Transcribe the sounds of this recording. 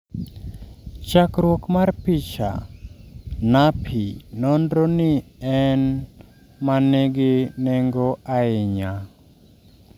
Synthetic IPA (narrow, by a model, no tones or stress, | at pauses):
t͡ʃakɾwɔkmarpit͡ʃa̰ | napʰinɔndɾɔniɛn | maneɡɪnɛŋɡɔʔaɪɲa